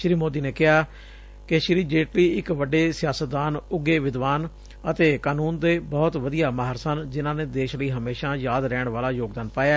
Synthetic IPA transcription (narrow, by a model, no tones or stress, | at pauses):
ʃɾiːmoːd̪iːneːkɪɦaː | keʃɾiːd͡ʒeːʈliːɪkʋəɖːeːsɪjaːsət̪̚d̪aːnʊɡeːʋɪd̪ʋaːn | ət̪eːkaːnuːnd̪eːbɔːt̪ʋəd̪ijaːmaɦəɾsənd͡ʒɪnãːneːd̪eːʃləiːɦəmeːʃãːjaːd̪ɾɛːɳʋaːlaːjoːɡd̪aːnpaːjaː